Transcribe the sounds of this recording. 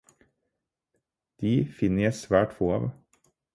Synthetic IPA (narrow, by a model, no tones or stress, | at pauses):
d̪̥iːfɪnəjæɪsʋæːʈfoːɑ̰ːʋ